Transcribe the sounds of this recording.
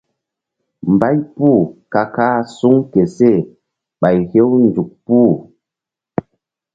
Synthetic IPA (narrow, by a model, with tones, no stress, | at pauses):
m̩˨ba˦jpu˦˨ka˨kaː˦su˦ŋke˨se˦˨ | ɓa˨jhe˦wn˨d͡ʒu˨k̚pu˦˨